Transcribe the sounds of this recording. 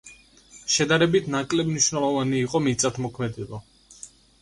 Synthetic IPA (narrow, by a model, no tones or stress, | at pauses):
ʃɛd̪aɾɛbit̪ʰnakʼlɛbniʃnɛlˠɔvaniːqʼɔmit̪sʼat̪ʰmɔkʰmɛd̪ɛba